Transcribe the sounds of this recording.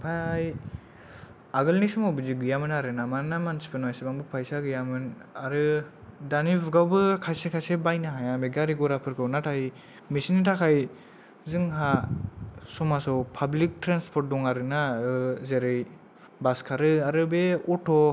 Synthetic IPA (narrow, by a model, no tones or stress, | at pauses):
pʰaj | aɡɯlnisɔmɔwbɯziɡɯjamɯnaɾɯnamaɾnamansi̥pʰenwajsibaŋbɯpʰajsaɡɯjamɯnaɾɯ | danibɡawbɯkʰajsekʰajsebajnaɦajambeɡaɾiɡɔɾapʰɯɾkʰɯwnatʰaj | misinitʰakʰaj | zɯŋɦa | sɔmasɔwpʰablik̚tɾanspʰɔɾt̚dɔŋaɾɯnaɯzeɾɯj | baskʰaɾɯaɾɯbeɔtʰɔ